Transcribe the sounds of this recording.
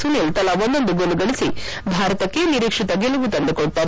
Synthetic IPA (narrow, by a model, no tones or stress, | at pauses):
sunelt̪ɐlaʋond̪ond̪uɡoluɡɐɭisi | bʱaːɾɐt̪ɐkːeniɾikʂit̪ɐɡelɐʋut̪ɐnd̪ukɔɽt̪a